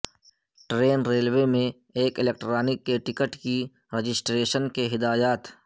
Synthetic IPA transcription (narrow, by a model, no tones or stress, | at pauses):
ʈɾeːnɾeːlwemẽ | eːkɪlek̚ʈɾaːnɪkːeʈɪkəʈki | ɾed͡ʒɪsʈɾeːʃənkeɦɪd̪aːjaːt̪